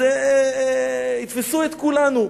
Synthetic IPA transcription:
e | it̪fesuet̪kulanu

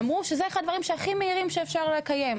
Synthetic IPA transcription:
mʁuʃezeeχad̪vaʁimʃeaχimeiʁimʃeːfʃaʁlekaje̞m

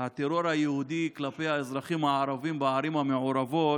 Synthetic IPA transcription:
hat̪eɾo̞ɾhajehud̪iklapejaezʁaχimhaaɾavimbaaɾimhameʕoɾavo̞t

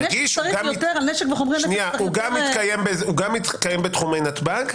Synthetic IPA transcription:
ɡiʃʁiɡajot̪eʁalneʃekveχomʁianʃeniauɡamit̪kajembezuɡamit̪kajembet̪χumejnat̪baɡ

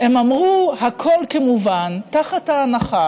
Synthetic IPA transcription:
emamʁuhakʰo̞lkemuvantaχathaːnaχa

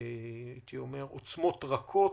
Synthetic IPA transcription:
it̪iome̞ʁot͡smo̞t̪ʁakʰo̞

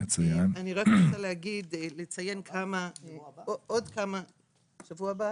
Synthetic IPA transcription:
at͡sujananiʁaknot͡salehaɡid̪let͡saje̞nkʰamaood̪kama | ʃavuaaba

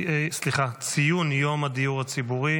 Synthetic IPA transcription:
sliχat͡sijunjo̞mad̪ijuʁat͡sibuʁi

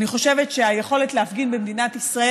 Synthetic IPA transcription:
niχo̞ʃe̞vetʃeajeχo̞le̞tleafɡinbemd̪inat̪isʁae

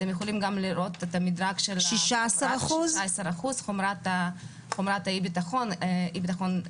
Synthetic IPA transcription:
emjexolimɡamliɾʔot̪et̪amid̪ɾaɡʃelʃiʃaasaɾaχuzaesaɾaχuzχomɾat̪a | χomɾat̪aibit̪aχonibit̪aχon

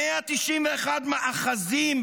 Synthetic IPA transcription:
eat̪iʃimveːχad̪meʔaχazimb

